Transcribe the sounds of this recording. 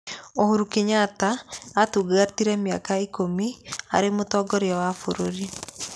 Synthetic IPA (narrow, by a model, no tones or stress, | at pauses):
ohoɾukiɲataːtuɡatiɾɛmjakaikomia̰ɾemotɔːɡɔɾjawafoɾoɾi